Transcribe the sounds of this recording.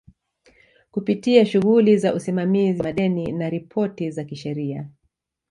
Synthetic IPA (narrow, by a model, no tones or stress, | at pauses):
kupitiaʃuɣulizaʔusimamiziaɗɛninaɾipʰɔtizakiʃɛɾia